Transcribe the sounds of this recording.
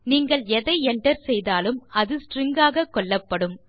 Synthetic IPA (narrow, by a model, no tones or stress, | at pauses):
niːŋɡɐɭɛðɐɪɛɳɖɐɾsɛjðaːlɯmɐðɯsʈrɪŋɡaːɣɐkːɔɭːɐpːɐɽɯm